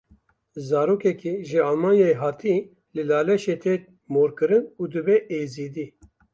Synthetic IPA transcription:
zaːɾoːkɛkiʒɨalmaːnjaeɦɑːt̪ʰi | lɨlaːlɛʃeːt̪ʰeːt̪̚ | moːɾkɨɾɨnuːd̪ɨbɛʔeːziːd̪iː

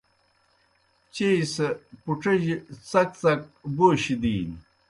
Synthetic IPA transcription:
t͡ɕejsepuʈ͡ʂɐʑit͡sɐk̚t͡sɐk̚boːɕid̪iːn

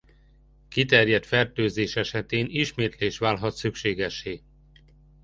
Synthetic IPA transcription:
kit̪ɛrjɛt̪fɛrt̪øːzeːʃɛʃɛt̪eːniʃmeːt̪leːʃʋaːlɦɒt̪sykʃeːɡɛʃːeː

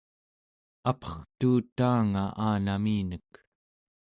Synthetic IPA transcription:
apʰʌ̥χt̪uːt̪ːaːŋaʔaːnamiːnək

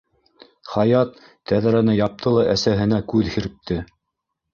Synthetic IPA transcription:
χɑjɑt̪ː | æðɾænɘjɑp̚t̪ɤlˠɑʔæsæɦɘ̆nækʉðhɘ̆ɾɘ̆p̚t̪ʰɘ

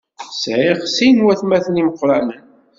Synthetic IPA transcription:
sʕiʁsinwæθmæθəniməqːɾˤamən

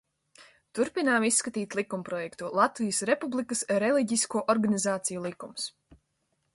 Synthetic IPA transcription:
t̪uɾpinaːmisːkat̪iːt̪ʲlˠikumpɾɔjɛkt̪ulˠat̪vijəsɾepublˠikəsɾɛlˠiɟiskuɔʔɔɾɡanizaːt̪sijulˠikːums

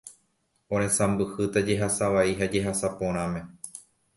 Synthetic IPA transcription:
õɾ̃ẽ̞sãmbɨhɨt̪ad͡ʒe̞ɦasaʋaiɦad͡ʒe̞ɦasapõ̞ɾ̃ãmẽ̞

